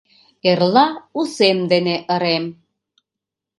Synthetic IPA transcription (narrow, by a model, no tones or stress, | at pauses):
erlɑusemd̪eneʔə̆ɾem